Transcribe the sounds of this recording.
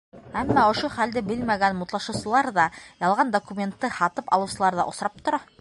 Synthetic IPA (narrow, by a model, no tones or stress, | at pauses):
æmːɑŏʃoχæld̪ɘbɘlmæɡænmut̪lˠɑʃɤ̆wsɤ̆lˠɑɾðɑjɑlˠʁɑnd̪okumʲent̪ːɤhɑt̪ɤpɑlˠɤwsɤ̆lˠɑɾðɑ̰ʔŏsɾɑp̚t̪ŏɾɑ